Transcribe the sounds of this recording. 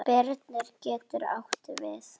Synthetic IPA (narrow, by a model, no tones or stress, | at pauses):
pɛɾt̪nɪɾcɛːt̪ʏɾa̰wht̪ɪvɪθ